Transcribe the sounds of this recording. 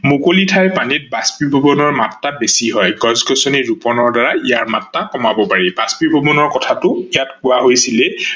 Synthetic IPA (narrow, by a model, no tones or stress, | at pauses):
mukolitʰajpanit̚baspibʱɔbɔnɔɹmatːabesiɦɔjɡɔzɡɔsɔniɹupɔnɔɹdaɹaijaɹmatːakɔmabɔpaɹibaspibʱɔbɔnɔɹkɔtʰatʊijatkʊaɦojsilɛ